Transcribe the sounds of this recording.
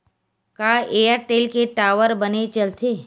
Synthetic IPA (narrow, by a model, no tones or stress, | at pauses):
kaeːjəɾʈeːlkeʈaːʋəɾbənet͡ʃəlt̪ʰeː